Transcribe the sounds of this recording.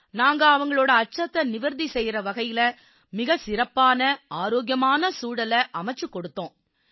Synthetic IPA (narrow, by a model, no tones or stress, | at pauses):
naːŋɡɐɐʋɐŋɡɐɭoːɽɐɐt͡ʃːɐt̪ːɐnɪʋɐɾðisɛjɾɐʋɐɣɐjɪlɐ | mɪɣɐsɪɾɐpːaːnɐaːɾoːɡjɐmaːnɐsuːɽɐlɐʔɐmɐt͡ʃːɯkːɔɽɯt̪ːõː